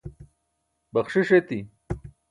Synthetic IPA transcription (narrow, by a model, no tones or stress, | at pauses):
bɐχʂiʂet̪i